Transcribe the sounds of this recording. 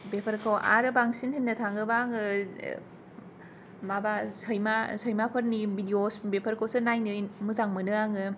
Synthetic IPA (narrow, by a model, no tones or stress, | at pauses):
bepʰɐɾkʰawa̰ɾɯbaŋsinhinːɐtʰaŋɡɯbaŋɯ | mabasɐjmasəjmapʰɐɾnibidiosbepʰɐɾkʰowsɯnajnɯjmuzaŋmɯnɯaŋɯ